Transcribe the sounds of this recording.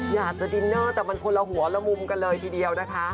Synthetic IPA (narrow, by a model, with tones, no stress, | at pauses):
jaː˨˩k̚t͡ɕa˨˩di˧nːaː˥˩t̪ɛː˨˩ma˧nkʰo˧nla˧ɦu˨˩˦ɐlɛ˦˧˥mu˧mka˧nlɤː˧jt̪ʰiː˨˩di˧əwna˦˥kʰa˦˥